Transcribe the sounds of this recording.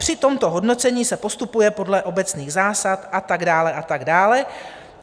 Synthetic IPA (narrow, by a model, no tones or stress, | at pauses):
pr̝̥ɪt̪o̞mt̪o̞ɦo̞dno̞t͡sɛɲiːsɛpo̞st̪upujɛpo̞dlɛʔo̞bɛt͡sniːɣzaːsat̪ʔat̪aɡdaːlɛʔat̪aɡdaːlɛ